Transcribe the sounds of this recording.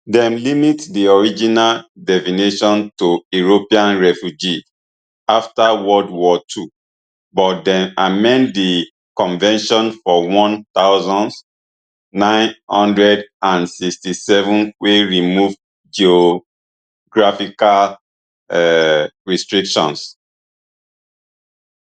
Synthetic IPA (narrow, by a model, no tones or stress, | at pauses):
dɛ̃mlimitdiɔɹid͡ʒinaldɛfineʃɔ̃ntuuɹopiãnɹɛfjud͡ʒi | aftawɔdwɔtʰu | bɔt̚dɛ̃mamɛ̃nddi | kɔ̃nvɛ̃nʃɔ̃nfɔwɔ̃nt̪aʊzɔ̃n | nãɪ̃nhɔ̃ndɹɛdãnsikstisɛvũnweɹimuv | d͡ʒio | ɡɹafikal | ɛɹistɹikʃɔ̰̃ns